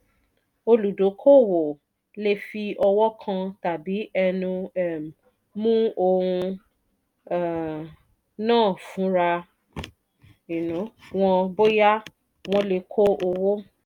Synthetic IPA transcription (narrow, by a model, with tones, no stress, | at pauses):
o˧lu˨do˨˦kʰo˦˨wo˨ | le˧fi˧ɔ˧wɔ˦kʰã˧ta˨bi˨˦ɛ˧nũ˧ɛ˦˨m˨ | mũ˦o˧ɾũ˧˨ | nãː˦˨fũ˨˦ɾa˧ | i˨nũ˨˦w̃ɔ̃˧bo˦ja˦ | w̃ɔ̃˧le˧kʰo˦ʔo˧wo˦